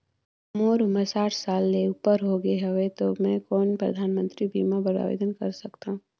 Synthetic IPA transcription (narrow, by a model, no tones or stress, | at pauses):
moːɾʊməsaːʈʰsaːlːeʊpəɾɦoɡeɦɛʋet̪omɛ̃koːnpɾɐ̰d̪ʱaːnmə̃nt̪ɾibiːmabəɾa̰ːʋḛːd̪ənkɐɾsɐkt̪aũ